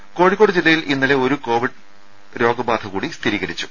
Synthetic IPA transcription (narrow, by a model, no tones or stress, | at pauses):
ko̞ːɽikːoɽɨd͡ʑilːɐjilʔinːɐle̞o̞ɾuko̞ːʋiɖ | ɾo̞ːɡɐbaːd̪ʰɐɣuːɽist̪ʰiɾiːɣɐɾit͡ɕːu̥